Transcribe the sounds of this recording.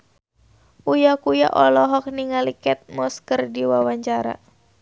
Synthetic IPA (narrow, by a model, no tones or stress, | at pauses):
ʔujakuja̰ʔɔlɔɦɔk̚niŋalikɛt̪̚mɔskərdiwawaɲt͡ʃaɾa̰